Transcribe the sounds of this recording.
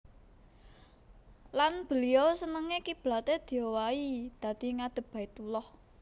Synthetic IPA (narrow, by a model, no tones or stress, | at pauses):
lanb̥ə̤liɔsənəŋekib̥la̤t̪ed̪̥i̤jowaid̪̥ä̤d̪̥i̤ŋad̪̥ə̤b̥ä̤it̪ulɔh